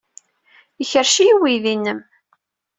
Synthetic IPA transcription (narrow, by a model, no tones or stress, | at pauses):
əçəɾʃijiwiðinːəm